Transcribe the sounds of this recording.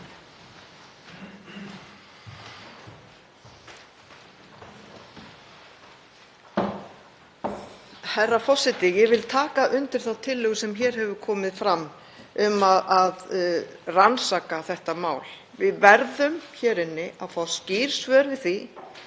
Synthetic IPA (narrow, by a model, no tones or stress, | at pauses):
hajrːafɔsɪt̪ɪjɛvɪlt̪ʰaːkaʔʏnt̪ɪɾ̥θawt̪ʰɪlːʏːɣʏsɛmçɛːɾ̥hɛvʏkʰɔːmɪðfɾamː | ʏmaðað | ransaːkaθɛht̪amaːwl | vɪðvɛɾðʏmçɛːɾɪnːɪʔaðfaːwsciːɾ̥svœːɾvɪðθi